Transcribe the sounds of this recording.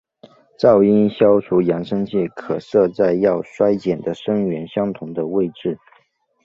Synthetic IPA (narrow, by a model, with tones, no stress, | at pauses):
t͡sɑ˥˩ʊi˥nɕjɑ˥ʊʈ͡ʂʰu˧˥jɑ˧˥ŋʂɤ˥ŋt͡ɕʰɛ˥˩kʰɤ˨˩sɤ˥˧t͡sa˥˧ɪjɑ˥˩ʊʂwa˥ɪt͡ɕjɛ˨˩nd̪ə˦ʂɤ˥ŋɥɛ˧˥nɕjɑ˥ŋt̪ʰʊ˧˥ŋd̪ə˧we˥˧ɪʈ͡ʂɻ̩˥˩